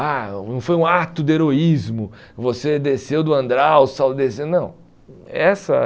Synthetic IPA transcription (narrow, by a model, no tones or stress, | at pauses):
anɐ̃w̃fojũat̪ʊd̪ɪeɾoizmʊ | vosed̪esewd̪ʊɐ̃nd̪ɾaʊsawld̪esenɐ̃w̃ | ɛsɐ